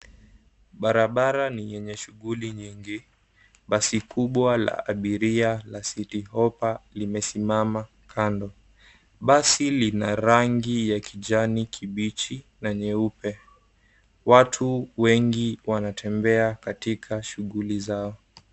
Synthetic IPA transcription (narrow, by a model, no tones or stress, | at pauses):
ɓaɾaɓaɾanijɛɲɛʃuɣuliɲiŋɡi | ɓasikuɓwala̰aɓiɾialasitiɦɔpalimɛsimama | kʰandɔ | ɓasilinaɾaŋɡijakid͡ʒanikʰiɓit͡ʃi | naɲɛupɛ | watʰuwɛŋɡiwanatʰɛmbɛakatikʰaʃuɣulizaɔ